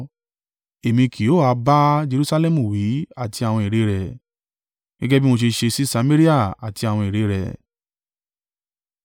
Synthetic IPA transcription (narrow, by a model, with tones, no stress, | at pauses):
e˨mĩ˧ki˨o˦˨a˧ba˦d͡ʒe˧ɾu˦sa˧lɛ˦˨mũ˨wi˨˦a˦˨ti˧a˨w̃ɔ̃˧i˨ɾe˨˦ɾɛ˨ | ɡ̥ɛ̰˦ɡɛ˦bi˦mo˧ʃ̬e˧ʃe˧si˦sa˧me˦ɾi˦a˦˨a̰˨ti˧a˨w̃ɔ̃˧i˨ɾe˨˦ɾɛ̰˨